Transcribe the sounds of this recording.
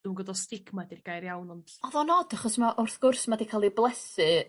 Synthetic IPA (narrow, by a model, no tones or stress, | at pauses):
dunɡɔdɔstɪkʰmadirɡ̥ajrjawnɔnɔðɔnɔdaχɔsmaʔʊrθɡ̥ʊrsmadikʰalˠiblˠɛsɨ